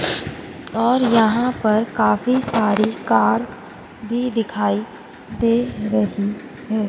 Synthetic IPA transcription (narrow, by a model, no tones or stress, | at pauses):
ɔːɾjɐɦãpɐɾkaːfisaːɾikaːɾ | bʱid̪ɪkʰaːi | d̪eːɾɐɦi | ɦɛː